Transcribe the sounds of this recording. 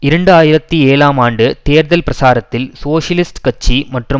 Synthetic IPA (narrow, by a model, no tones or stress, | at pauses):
ɪɾɐɳɖaːjɪɾɐt̪ːieːlaːmaːɳɖɯt̪eːɾðɐlpɾɐsaːɾɐt̪ːɪlsoːʂjɐlɪsʈkɐt͡ʃːimɐʈrɯ